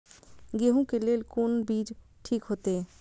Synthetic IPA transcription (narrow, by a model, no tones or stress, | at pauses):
ɡeːɦõkeleːlkunbiːd͡ʒ | ʈʰiːkɦoːt̪eɦɛ